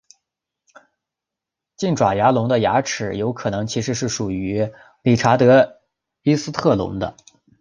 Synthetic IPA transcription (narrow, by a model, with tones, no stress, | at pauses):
t͡ɕi˥˩nʈ͡ʂwa˨˩ja˧˥lʊ˧˥ŋd̪ə˧ja̰˧˥ʈ͡ʂʰɻ̩˨˩˦jo˧˥ʊkʰɤ˨˩nɤ˧˥ŋt͡ɕʰi˧˥ʂɻ̩˧˥ʂɻ̩˥˩ʂu˨˩y˧˥ | li˨˩ʈ͡ʂʰa˧˥t̪ɤ˧˥ | i˥sɹ̩˥t̪ʰɤ˥˩lʊ̰˧˥ŋd̪ə̰˧